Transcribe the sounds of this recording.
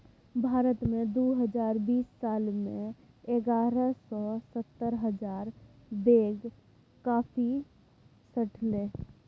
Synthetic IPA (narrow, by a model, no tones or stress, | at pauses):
bʱaːɾət̪mẽd̪oːɦəd͡ʒaːɾbiːsːaːlmẽ | eɡaːɾəsɔsət̪ːəɾɦəd͡ʒaːɾ | d̪eːɡ | kaːfʰi | səʈʰleː